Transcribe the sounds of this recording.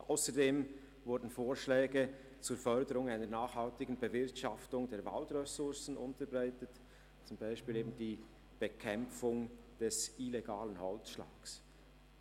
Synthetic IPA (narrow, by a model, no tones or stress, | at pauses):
ʔa̰ʊsədeːm | vʊɾdn̩foːɾʃlɛːɡə | t͡suːɾfœɾdəɾʊŋaɪnənaːχhaltɪɡn̩bəvɪɾtʃaftʊŋdeːva̰ldʁɛsʊɹsn̩ʔʊntəbʁaɪtət | t͡sʊmbaɪʃpiːleːbn̩diː | b̥əkʰɛmp͡fʊŋ | d̥ɛsileɡaːlənhɔlt͡sʃla̰ːks